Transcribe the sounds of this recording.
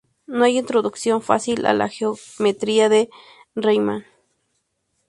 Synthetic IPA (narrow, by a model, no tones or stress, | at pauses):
noajint̪ɾoðuksjonfa̰silʔa̰la̰xeomet̪ɾiaðe | rejman